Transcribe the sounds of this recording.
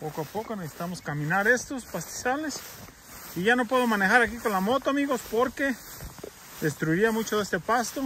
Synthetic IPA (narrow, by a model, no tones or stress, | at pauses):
pokoapokonesesi̥t̪amoskamĩnaɾe̞st̪ospast̪i̥sales | iʝano̞pweðomanexaɾakikonlamo̞t̪oamiɣospoɾke | d̪e̞st̪ɾuiɾiamut͡ʃoðest̪epast̪o